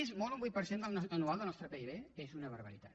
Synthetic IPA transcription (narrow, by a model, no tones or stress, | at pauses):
ezmɔlˠumbujt̪̚pəɾsend̪əlˠnɔənualˠd̪əlnɔst̪ɾəpeiβeezunəβəɾβəɾḭt̪at̪